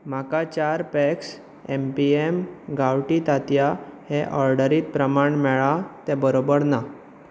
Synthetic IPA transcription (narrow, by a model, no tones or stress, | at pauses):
m̤akat͡ɕaɾpɛks | empiemɡawʈit̪at̪jaheʔɔɾɖəɾiːt̪̚pɾəmaɳmɛɭat̪ɛ̃bəɾobəɾna